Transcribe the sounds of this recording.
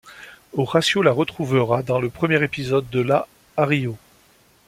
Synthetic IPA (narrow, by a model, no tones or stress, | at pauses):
oʁasjolaʁət̪χuvəʁad̪ɑ̃ləpχəmjɛʁepizɔd̪ːəlaː | ʁijo